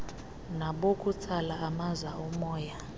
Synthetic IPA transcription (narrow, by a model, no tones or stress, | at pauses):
naɓokʼut͡sʰalaːmazaɔmɔːja